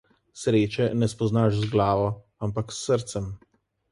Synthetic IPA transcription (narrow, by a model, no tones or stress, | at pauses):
sɾeːt͡ʃɛnɛspɔznaʃzɡlaːʋɔ | ampaksːəɾt̪sɛm